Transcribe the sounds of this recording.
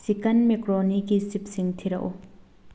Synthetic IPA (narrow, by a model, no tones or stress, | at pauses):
sikɐnmekɾɔnikisip̚siŋt̪ʰiɾɐ̰ʔṵ